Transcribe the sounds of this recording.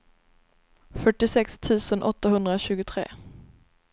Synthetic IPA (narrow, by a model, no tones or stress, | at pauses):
fœʈːɪsɛkst̪ʰʉ̟ːsənʔɔt̪ːaɦɵnd̪ɾaɕʉ̟ːɡʊt̪ʰɾḛː